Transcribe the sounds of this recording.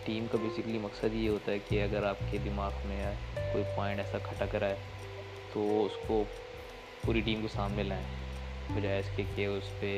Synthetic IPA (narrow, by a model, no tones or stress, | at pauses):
ʈiːmkabeːsɪkəlimɐksəd̪jeɦoːt̪aɦɛkeɐɡəɾaːp̚ked̪ɪmaːɣmẽkoːipãːɪ̃ɳʈɛːsakʰɐʈakɐɾaɦɛː | t̪oʊsko | puːɾiʈiːmkosaːmmɪlɛ̃ːbɐd͡ʒaːeɪɪskekeʊspe